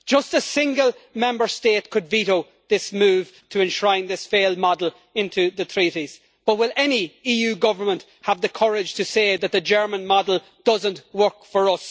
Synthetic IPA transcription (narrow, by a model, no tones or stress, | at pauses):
d̥ʒ̥ʌstəsɪ̃ŋɡəlˠmɛ̃mbə˞steːt̚kʰɨdviɾoʊ | ðɪsmʉːv̥tʰəɨ̃nʃɹ̥ãɪ̃nðɪsfeɪːlˠd̚mɑdl̩ˠ | ɪ̃ntʰʉðɨt̪ʰɹ̥iɾiz̥ | b̥ʌt̚wɪlɛniijʉːɡʌvə˞mə̃nʔ | həvðəkʰʌɹɪd̥ʒ̥tʰɨseːðət̪̚ðɨd͡ʒɜ˞mə̃nmɑdl̩ˠ | d̥ʌzə̃nʔwɜ˞kfə˞ʌs